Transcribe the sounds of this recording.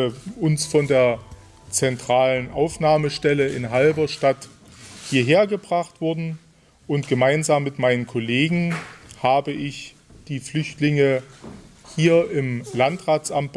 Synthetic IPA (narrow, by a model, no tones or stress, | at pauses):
ʊnsfɔndeːɐ | t͡sɛntʁ̥aːlənʔa̰ʊfnaːməʃtɛləɪnɦalbɐʃtat | hiːɐɦeːɐɡəbʁaχtv̥ʊɐdn̩ | ʔʊntɡ̥əmaɪnzaːmːɪtmaɪnənkʰʊleːɡŋ̩haːbəʔɪç | d̥iːflʏçtlɪŋə | hiːɐʔɪmlantʁaːt͡sʔamt